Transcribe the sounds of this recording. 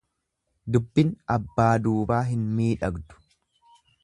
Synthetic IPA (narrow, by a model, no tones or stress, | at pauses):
d̪ʊbːɪnɐbːaːd̪uːbaːɦɪnmiːᶑɐɡd̪ʊ̥